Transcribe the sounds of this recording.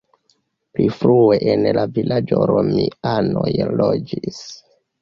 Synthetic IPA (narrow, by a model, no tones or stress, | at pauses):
plifɾueʔenlavilʔad͡ʒoɾomianojlod͡ʒis